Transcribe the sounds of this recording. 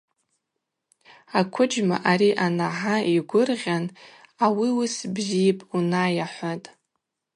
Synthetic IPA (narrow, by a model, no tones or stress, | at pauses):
akʷʰʊd͡ʒma̰ʔaɾiʔanaħaiɡʷʊrʁʲanawiʊsbzijpʼunajaħʷatʼ